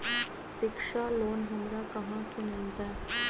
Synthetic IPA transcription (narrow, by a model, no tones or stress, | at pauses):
ʃɪkʃaloːnɦɐmɾakɐɦãsʊmɪlt̪aː